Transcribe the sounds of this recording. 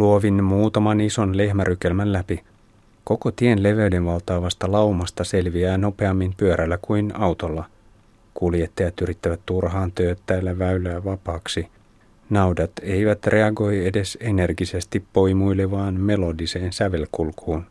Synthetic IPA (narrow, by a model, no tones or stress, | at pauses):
luoʋinmuːt̪ɑmɑniso̞nle̞hmæɾʔyk̟e̞lmænlæpi | ko̞ko̞t̪ienle̞ʋeyde̞ʋʋɑlˠt̪ɑːʋɑst̪ɑlɑwmɑst̪ɑse̞lʋiæːno̞pe̞ɑmːimpyøɾʔælːækujnɑwt̪o̞lːɑ | kulje̞t̪ːɑjɑt̪yɾit̪ːæʋæt̪tːurɦɑːnt̪øːt̪t̪æːlːæʋæylæːʋɑpɑːksi | nɑwdɑt̪e̞jʋæt̪rʔe̞ɑɡo̞je̞de̞se̞ne̞rɡise̞st̪ippo̞jmujlːeʋɑːnme̞lo̞dise̞ːnsæʋe̞lkulkʰuːn